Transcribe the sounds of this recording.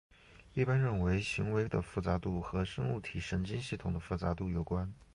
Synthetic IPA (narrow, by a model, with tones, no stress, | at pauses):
i˥˩pa˥nɻə˥˩nwe˧˥ɪɕi˧˥ŋwe˧˥ɪd̪ə̰˧fu˥˩t͡sa˧˥t̪u˥˩xɤ˧˥ʂɤ˥ŋu˥˩t̪ʰi˨˩ʂə˧˥nt͡ɕi˥nɕi˥˩t̪ʰʊ˨˩ŋd̪ə˦fu˥˩t͡sa˧˥t̪u˥˩jo˨˩ʊkwa˥n